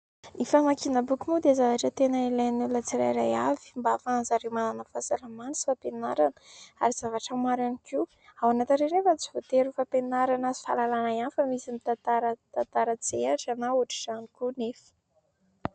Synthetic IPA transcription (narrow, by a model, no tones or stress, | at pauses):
ifamakinəbukumud̪ezavaʈ͡ʂət̪enəilajnulət͡siɾa̰jɾajavi̥mbafanzaɾemananəfasalamanisi̥fapenaɾanə̥a̰ɾiz̥avaʈ͡ʂəmaɾaniki | awanat̪inɾenefat͡si̥vot̪eɾufapenaɾanəi̥fa̰lalanajanfəmizimit̪at̪aɾət̪ant̪aɾət͡seaʈ͡ʂanauaʈ͡ʂi̥z̥anikunefi̥